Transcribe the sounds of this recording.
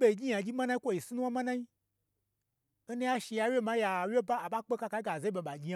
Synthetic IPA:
be˨d͡ʒi˦jã˨d͡ʒi˦mã˦nã˦i˦kʷo˦˨ji˨si˦nũ˦a˦mã˦nã˦i˦ | e˦nĩ˦a˦ʃi˧ja˨wje˦˨mã˨˦ja˨we˦ba˦a˨ɓa˦k͡pe˦ka˦ka˦ɡa˨ze˦i˦ɓe˨ɓa˨d͡ʒi˦a˨

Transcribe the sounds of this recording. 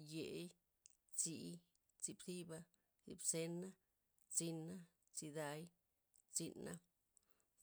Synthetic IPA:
je˨˦j | t͡si˧ | t͡si˧bsi˦ba˧ | sḭ˧bse˧na˦ | t͡si˧na˦ | t͡si˧d̪a˧j | t͡si˧na̰˦

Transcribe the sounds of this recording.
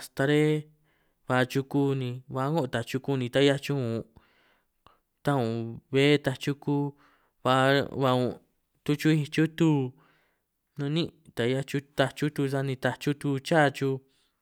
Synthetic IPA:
a˧st̪a˧ɾe˦ | βa˧t͡ʃu˧kuː˦nĩ˧βa˧˦ŋɡo˦ʔt̪a˨t͡ʃu˧ku˦˧nĩ˧t̪a˦ja˦t͡ʃu˦ũ˨˧ | t̪a˦ũ˨βe˦t̪a˧t͡ʃu˦kuː˦ | βa˧βa˧ũ˧˨ | t̪u˧t͡ʃu˦i˧t͡ʃu˦t̪u˦ | nũ˧nĩ˦t̪a˨˧ja˦t͡ʃu˧˦t̪a˧t͡ʃu˦t̪u˧sa˧nĩ˧t̪a˧t͡ʃu˦t̪u˧t͡ʃaː˦˨˧t͡ʃu˧

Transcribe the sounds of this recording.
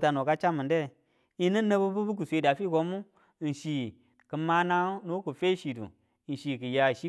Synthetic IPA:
ta˨no˨ka˦t͡ʃa˦mə˨nde˦˨ | i˦nə˦nə˦bu˦bu˦bu˦k̬u˨sʷe˨˦da˨fi˦ko˦mu˦˨ | n̩˨ʃi˨ | kə˨ma˦na˦no˦ku˨fe˦ʃi˨dṵ˨ | n̩˨ʃi˨kɨ˨ja˨ʃi˦

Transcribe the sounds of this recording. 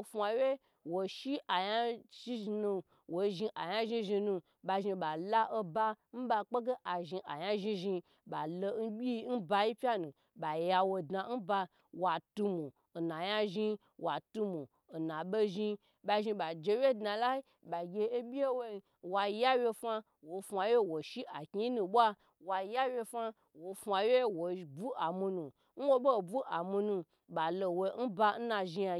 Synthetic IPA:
fʷa˧we˦ | wo˨ʃi˦a˨ja˦ʃi˦ʒi˧nu˧ | wo˨ʒi˧ʔa˨ja˦ʒi˧ʒi˧nũ˧ | ba˧ʒi˧ba˨la˦ʔo˧ba˧n̩˦ba˧k͡pe˦ɡe˦ʔa˨ʒi˧ʔa˨ja˦ʒĩ˧ʒi˧ | ba˨lo˧n˦bʲi˦n̩˦ba˧ji˦pʲa˦nũ˨ | ba˨ja˧wo˧dna˧˦n̩˦ba˧ | wa˨tu˧mu˨ | na˨ja˦ʒi˧ | wa˨tu˧mu˨ | na˨ɓe˦ʒi˧ | ɓa˧ʒi˧ɓa˨d͡ʒe˧wje˦dna˧la˦i˦ | ɓa˨ɡʲe˧e˦bʲi˦e˦wo˦i˧ | wa˧˦ja˦wje˧fa˧ | wo˨˦fʷa˧we˦˨wo˨ʃi˦ʔa˨ki˦nũ˧ɓʷa˦ | wa˧ja˦wʲje˧fa˦ | wo˨˦fa˧je˦wo˨bu˦a˨mu˧nũ˨ | n̩˦wo˦bo˦˨bu˦ʔa˨mu˧nu˧ | ɓa˨lo˨wo˧˦n̩˦ba˧n̩˦na˧ʒi˧ja˧

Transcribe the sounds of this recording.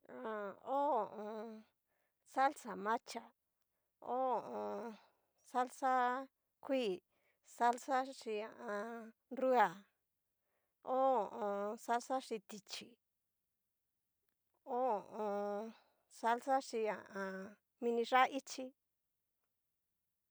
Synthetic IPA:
ã˨o˦o˨ʔõ˧ | sa˦lsa˨mã˦t͡ʃa˨ | o˦o˨ʔõ˧ | sa˦lsa˦ | kʰʷiː˦˨ | sa˦lsa˦ʂi˧a˨ʔã˧ | ru˦a˨ | o˦o˨ʔõ˧sa˦lsa˦ʂi˧t̪i˨t͡ʃi˨ | o˦o˨ʔõ˧ | sa˦lsa˦ʂi˧a˨ʔã˧ | mĩ˧nĩ˧ʂa˦ʔi˦t͡ʃi˧

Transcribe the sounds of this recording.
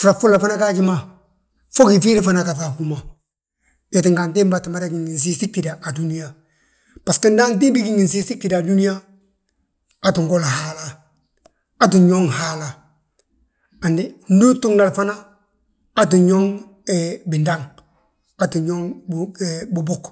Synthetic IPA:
fɾa˨fu˦lːa˨fa˦na˦ka˦d͡ʒɪ˦ma˨ | fɔ˦ki˨fi˦lɪ˦fa˦na˦˨ka˨fa˨ku˦ma˨ | ja˨t̬ɪ˨ŋka˨nte˦mba˨ta˨ma˦da˦ɡi˨ŋi˨ns̬i˦si˦ki˨da˨ʔa˨du˦ni˦ja˨ | pa˨ski˦nda˦nt̬i˦bi˦ɡi˦ŋi˨s̬i˦si˦ki˨da˨du˦ni˦ja˦ | a˨tu˨ŋɡo˦la˨ha˦la˦ | a˦t̬i˨ɲo˦ŋhaː˦la˨ | a˨ndi˦n̩˦du˦tu˦ŋla˨lfa˦naː˦ | t̬u˨ɲo˦ŋ | ɛbɪ˨nda˦ŋ | a˨tu˨ɲo˦ŋ | bu˨bʊ˦k

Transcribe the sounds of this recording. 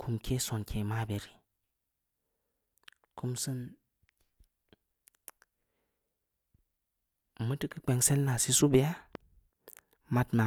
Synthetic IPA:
kʰu˧mkʰe˦so˨nkʰe˨ma˦be˨ɾi˨ | kʰu˧msɨ˦n | mə˦tɨ˦kɨ˨k͡pe˨˧ŋse˦lna˨si˦su˦be˨˦a˦ | ma˦tma˨

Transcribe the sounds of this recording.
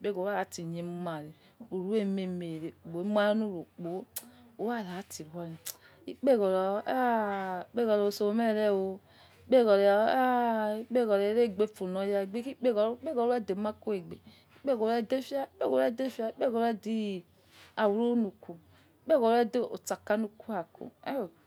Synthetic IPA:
k͡pe˦ɡo˨˦a˦˨a˨ti˨ɲe˨˦ma˨ɾi˨ | u˨ɾu˦e˦˨me˨me˨ɾe˨k͡po˨˦m˦a˦nu˦˨ɾo˨k͡po˨˦o˨˦wa˦˨la˨˦ti˨wɔ˦ɾi˨ | i˦k͡pe˦˨ɡɔ˨ɾɔ˨˦a˦i˨˦k͡pe˦˨ɡɔ˨ɾo˨so˨o˨˦mɛ˦˨ɾɛ˦˨wo˧ | i˦k͡pe˦˨ɡɔ˨ɾe˨˦a˦i˦k͡pe˦˨ɡɔ˨ɾe˨˦ɾe˦˨ɡ͡be˨˦˨fu˨nɔ˨˦ja˦˨ɡ͡be˦ki˦k͡pe˦ɡɔ˨ɾk͡pe˦ɡɔ˨ɾu˦a˦˨de˨˦ma˦ko˦e˨ɡ͡be˨ | i˦k͡pe˦˨ɡɔ˨ɾa˦˨de˦fi˦a˦i˦k͡pe˦˨ɡo˨ɾa˦˨de˦fi˦a˦i˦k͡pe˦˨ɡɔ˨˦a˦di˦˨ | a˨wu˨ɾo˦nu˨ku˨ | i˦k͡pe˦˨ɡɔ˨ɾa˦de˦˨o˨t͡sa˨ka˦nu˦ku˦a˨ko̰˨a˦o˨

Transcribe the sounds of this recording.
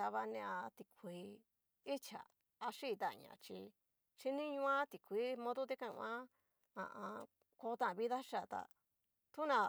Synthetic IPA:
a˧βa˧nẽ˧a˧t̪i˧kʰʷi˧ | i˦t͡ʃa̰˨ | a˧ʂi˦˨˧t̪a̰˧˨ɲã̰˨t͡ʃi˧ | ʃi˧nĩ˦ɲũ˧˦ã˦t̪i˨kʰʷi˧˦mõ˧ðo˦t̪̬e˦kã˧˨ṵ̃˧ã˦ | ã̰˧˨ʔã˧ | ko˧˦t̪ã˦˨˧βi˦ða˦ʃa˧˨t̪a̰˨ | t̪u˦nã˧

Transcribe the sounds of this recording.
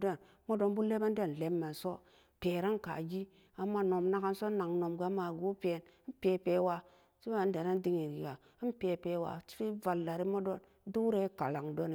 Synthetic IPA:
da˦˨n | mo˦do˦nbu˦le˦ba˦n˦da˦n˨le˨mːa˨n˨so˦ | pe˨ɾa˦nka̰˨ɡi˦ | a˨mːa˦no˨mna˦ka˦nso˦na˨ŋno˨mɡa˦ma˨ɡu˦pe˨n˦pe˨pe˦wa˦ | si˦ba˨˦da˨ɾa˦n˦di˦ŋi˨ɡi˨ja˨˦ | m˦pe˨pe˦wa̰˨t͡ʃi̥˦ɾi˦va˨lːa˨ɾi˦mo˦do˦n | du˦ɾe˦ka˨la˨ŋdo˦n˨

